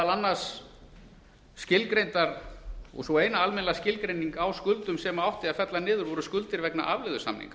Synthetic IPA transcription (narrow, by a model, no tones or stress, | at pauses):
alanːas | cɪlkɾejnt̪aɾɔ̰ɣsɔeːjnaalmɛnlaascɪlkɾejniŋkawskʏlt̪ʏmsɛmawht̪ɪafɛt̪lanɪːðʏɾvɔɾʏskʏlt̪ɪɾvɛkna̰ʔavlɪɣðʏsa̰mnḭŋk